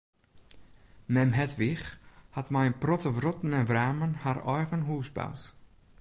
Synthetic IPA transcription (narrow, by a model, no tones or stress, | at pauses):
mɛmɦɛtʋɪxhatmɛjənprɔtəvrɔtn̩ɛnʋraːmənharɔjɣənɦuːsba̰wt